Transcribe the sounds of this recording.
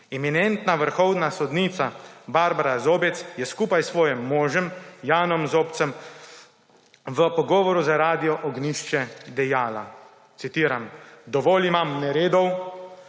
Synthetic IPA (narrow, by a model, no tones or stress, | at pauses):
ɛminɛnt̪naʋəɾxɔwnasɔd̪niːt̪sabaːɾbaɾazoːbɛt̪sjɛskuːpajsʋɔːjɛmːɔːʒɛmjaːnɔmzoːpt̪səm | ʋəpɔɡɔːʋɔɾuzaɾaːd̪ijɔʔɔɡniʃt͡ʃɛd̪ɛjaːla̰ | t̪sit̪iːɾamd̪ɔʋoːlimamnɛɾeːd̪ɔw